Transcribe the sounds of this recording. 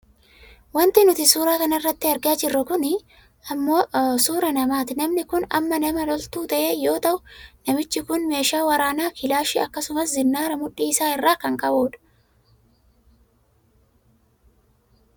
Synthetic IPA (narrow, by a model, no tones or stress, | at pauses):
wɐnt̪ɪnʊt̪ɪsuːɾaːkɐnɐɪrːɐt̪ːɪɐɾɡaːd͡ʒɪrːɐkʊnɪ | ɐmːo̞ːsuːɾɐnɐmaːt̪ɪnɐmnɪkʊnɐ̰mːɐnɐmɐlɔlt̪uːt̪ɐʔeːjo̞ːt̪ɐʔʊnɐmɪt͡ʃːɪkʊnme̞ːʃaːwɐɾaːnaːkɪlaːʃɪɐkːɐsʊmɐszɪnːaːɾɐmʊᶑːiːɪsaːɪrːaːkɐŋkʼɐboːᶑɐ̥